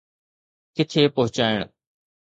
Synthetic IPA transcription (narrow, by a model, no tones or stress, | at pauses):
kɪt̪ʰeːpɐɦʊt͡ɕaːɪɽ̃